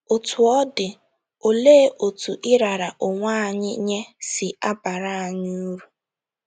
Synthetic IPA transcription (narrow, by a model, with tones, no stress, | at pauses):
o˨tʰu˨ɔ˦dɪ˨ | o˨le˦ʔo˨tu˨ʔɪ˦ɾa˨ɾa˨ʔʊ˨ŋʷa˦˨ɲɪ̰˦ɲe˦sɪ˨a˦ba˨ɾa˦a˨ɲ˦u˦ɾu˨